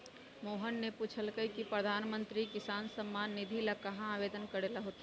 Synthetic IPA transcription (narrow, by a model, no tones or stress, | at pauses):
moːɦənːepuːt͡ʃʰəlkəikipɾəɐd̪ʱaːnmə̃nt̪ɾikɪsaːnsəmːaːnːɪd̪ʱilakɐɦãaːʋeːd̪ənkɐɾeːlaɦoːt̪a